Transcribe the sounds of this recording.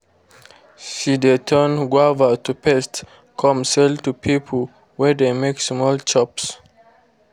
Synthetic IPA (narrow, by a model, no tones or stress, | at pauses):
ʃidɛtʰənɡwavətupɛst | kʰɔ̃msɛltupʰipʰəl | wɛdemeksmɔlt͡ʃɔps